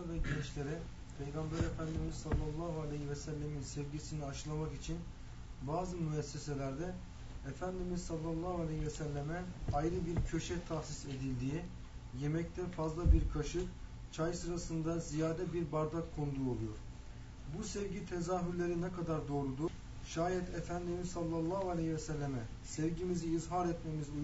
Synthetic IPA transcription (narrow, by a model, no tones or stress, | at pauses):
avɛɟɛt͡ʃlʲe̞ɾɛ | pʰe̞jɡambɛɾefænd̪imizsalˠːalˠːaɦualʲehivɛsælʲːeminsɛvɟisiniaʃɯlˠamakit͡ʃʰin | baːzɯmyɛsːe̞se̞lʲæɾd̪ɛ | efænd̪imizsalˠːalˠːahualʲehivɛsælʲːemɛajɾɯbiɾcʰø̞ʃɛt̪ʰaxsise̞d̪ilʲd̪ii | je̞mɛct̪ʰɛfazlˠabiɾkʰaʃɯk | t͡ʃʰajsɯɾasɯnd̪azijaːd̪ɛbiɾbaɾd̪akkʰond̪uo̞lˠujo̞ɾ̥ | busɛvɟit̪ʰezaːɦyɾlʲe̞ɾinɛkad̪aɾd̪o̞ːɾud̪uɾ | ʃaːjɛt̪ʰefænd̪imizsalˠːalˠːaːɦualʲehivɛsɛlʲːemɛ | sɛvɟimiziːzɦaɾɛt̪memizy